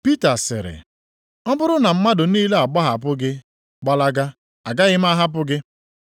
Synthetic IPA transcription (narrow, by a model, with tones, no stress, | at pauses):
pi˦ta˨sɪ̰˨ɾɪ̰˨ | ɔ˦bʊ˦ɾʊ˦na˨m̩˦ma˦dʊ˨niː˦le˦a˨ɡ͡ba˦ɦa˨p̬ʊ˦ɡɪ˦ | ɡ͡ba˦la˦ɡa˦ | a˨ɡa˦ɣɪ˦m˦a˦ɦa˦p̬ʊ˦ɡɪ˦